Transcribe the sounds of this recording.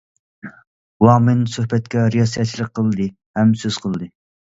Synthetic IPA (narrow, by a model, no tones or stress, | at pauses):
wɑːmɪnsøhbɛt̪̚kʲɛɾijɑsijɛt̪̚t͡ʃʰilˠəqʰːəlˠɨd̪ɨ | hɛmsøz̥qʰəlˠd̪ɨ